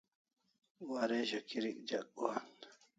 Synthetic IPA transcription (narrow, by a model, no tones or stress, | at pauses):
waɾeʑɐkiɾik̚d͡ʑɐk̚ːuan